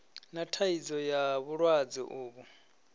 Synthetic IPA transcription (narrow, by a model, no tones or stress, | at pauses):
natʰaid͡zɔjaβuɺwad͡zḭʔuːβu